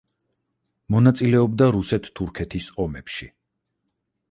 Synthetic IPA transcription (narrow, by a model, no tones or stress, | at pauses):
mɔnat̪sʼilɛɔbd̪aɾusɛt̪ʰt̪ʰːuɾkʰɛt̪ʰisɔmɛpʃi